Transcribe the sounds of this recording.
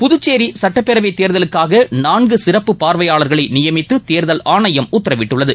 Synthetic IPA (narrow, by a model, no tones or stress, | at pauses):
pʊðʊt͡ʃːeːɾisɐʈːɐpːɛɾɐʋɐɪt̪ːeːɾðɐlɯkːaːɣɐnaːnɡɯsɪrɐpːɯpaːɾʋɐjaːɭɐɾɣɐɭɐɪnɪjɐmɪt̪ːɯt̪eːɾðɐlaːɳɐjɐmʊt̪ːɐɾɐʋɪʈːɯɭːɐðɯ